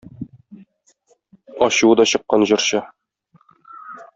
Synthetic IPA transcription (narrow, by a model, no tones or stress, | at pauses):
ɒɕuɤd̪ɒɕɤ̆qːɑnʑɤ̆ɾɕɑ